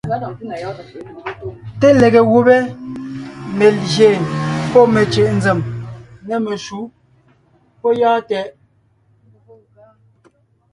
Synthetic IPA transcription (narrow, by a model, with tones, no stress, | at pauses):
te˦le˨ɣe˨ɣu˨bɛ˦ | me˨lɣje˨npɔ˦me˨t͡ʃe˨ʔn̩˨˦d͡ze˨mnɛ˨me˨ʃu˨˦ | pɔ˦jaː˦tɛ˨ʔ